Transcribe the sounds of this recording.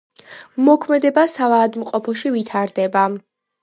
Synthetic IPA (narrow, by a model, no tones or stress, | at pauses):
mɔkʰmɛd̪ɛbasavaːd̪mqʼɔpʰɔʃivit̪ʰaɾd̪ɛba